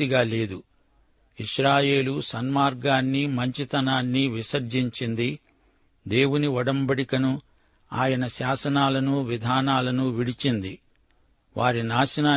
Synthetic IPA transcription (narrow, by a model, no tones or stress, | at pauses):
iɡaːle̞ːd̪u | iʂɾaːje̞ːlusɐnmaːɾɡaːnːimɐɲt͡ʃit̪ɐnaːnːiʋisɐɾd͡ʒiɲt͡ʃind̪i | d̪e̞ːwuniɔɽɐmbɐɽikɐnu | aːjɐnɐʃaːsɐnaːlɐnuʋid̪ʱaːnaːlɐnuʋiɽit͡ʃind̪i | ʋaːɾinaːʃɐnaː